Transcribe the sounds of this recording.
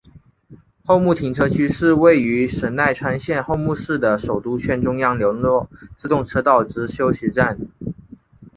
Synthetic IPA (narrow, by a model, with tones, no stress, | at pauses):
xo˥˧ʊmu˥˩t̪ʰi˧˥ŋʈ͡ʂʰɤ˥t͡ɕʰy˥ʂɻ̩˥˧we˥˩ɪy˧˥ʂə˧˥nna˥˩ɪʈ͡ʂʰwa˥nɕjɛ˥˧nxo˥˧ʊmu˥˧ʂɻ̩˥˩d̪ə˩ʂo˨˩ʊt̪u˥t͡ɕʰɥɛ˥˩nʈ͡ʂʊ˥ŋjɑ˥ŋljo˧˥lwɔ˥˩ʈ͡ʂɻ̩˥˧t̪ʊ˥˩ŋʈ͡ʂʰɤ˥t̪ɑ˥˩ʊʈ͡ʂɻ̩˧˥ɕjo˥ʊɕi˧˥ʈ͡ʂa˥˩n